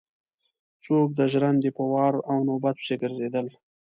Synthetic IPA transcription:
t͡sok̚d̪əʒɾand̪epəwɑɾawnobat̪̚pʃeɡəɾzed̪əl

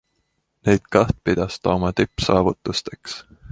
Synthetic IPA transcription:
nejd̪̥kɑht̪̚pid̪̥ɑst̪ɑːmɑt̪ypːˑsɑːvut̪ːˑust̪e̞ks

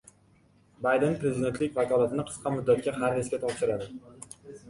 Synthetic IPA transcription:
bajd̪e̞npɾe̞zid̪e̞nt̪lɪkʲvakʰɒlˠat̪ʰɪnɪqʰɨ̥sqʰɑmʊd̪ːat̪kʲahaɾeskʲat̪ʰɒpʃɪɾad̪ɪ

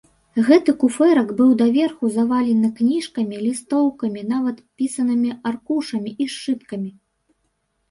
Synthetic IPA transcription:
ɣɛt̪ɨkufɛɾɐɡbɨwd̪ɐvʲɛrxuzɐvalʲɛnɨknʲiʂkɐmʲilʲist̪ɔwkɐmʲin̪avɐt̪pʲisɐnɨmʲiarkuʂɐmʲiʔiʂt͡ʂɨt̪kɐmʲi

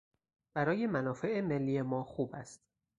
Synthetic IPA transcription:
b̥æɾɒːje̞mænɒːfe̞ʔeme̞lːiːje̞mɒːxuːbæst̪

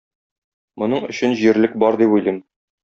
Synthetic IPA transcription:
mŏnɤɴɵ̆ɕɘ̆nʑiɾlɘk̚bɒɾd̪ipujlˠim

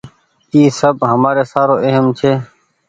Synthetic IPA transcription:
iːsəbɦəmaːɾeːsaːɾoːʔeɦəmt͡ʃʰeː

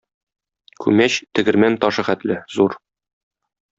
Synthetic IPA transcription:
kʉ̰mæɕt̪ɘ̆ɡɘ̆ɾmænt̪ɒʃɤ̆χæt̪lɘzuɾ

